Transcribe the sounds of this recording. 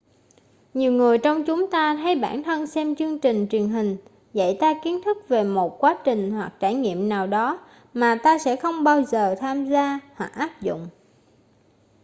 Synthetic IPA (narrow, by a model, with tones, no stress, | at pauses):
ɲi˨˩əwŋɨ˨˩əjt͡ɕɔ˧wŋ͡mt͡ɕʊ˨˦ŋ͡mt̪aː˧t̪ʰa˨˦jɓaː˧˩nt̪ʰə˧nsɛ˧mt͡ɕɨ˧əŋt͡ɕï˨˩ŋ̟t͡ɕwi˨˩ənɦï˨˩ŋ̟ | zə̰˧˨jt̪aː˧ki˨˦ənt̪ʰɨ˦˥k̚ve˨˩mo˨˩t̚kwaː˨˦t͡ɕï˨˩ŋ̟hwa˨˩k̚t͡ɕaː˧˩jŋḭ˧˨əmnaː˨˩wɗɔ˨˦ | maː˨˩t̪aː˧sɛ̰˧˥xə˧wŋ͡mɓaː˧wzəː˨˩t̪ʰaː˧mzaː˧hwa˨˩k̚ʔaː˦˥p̚zʊ̰˧˨ŋ͡m